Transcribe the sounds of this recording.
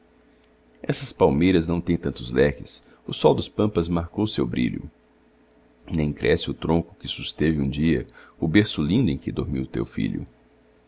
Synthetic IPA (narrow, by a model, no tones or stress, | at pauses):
ɛsɐspawmejɾɐznɐ̃w̃t̪ẽj̃t̪ɐ̃nt̪ʊzlɛkɪs | ʊsɔwd̪ʊspɐ̃mpɐzmaɾkowʊsewbɾḭʎʊ̰ | nẽj̃kɾʔɛsɪʊt̪ɾõkʊ̥kɪsust̪evɪũd͡ʒiɐʊbeɾsʊlĩnd̪ʊẽj̃kɪd̪oɾmḭwt̪ḛwfḭʎʊ̰